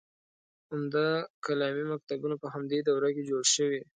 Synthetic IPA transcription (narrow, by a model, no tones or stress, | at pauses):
amd̪akalɑmimak̚t̪abunapəɦamd̪ed̪awɾaked͡ʒoɽʃəwi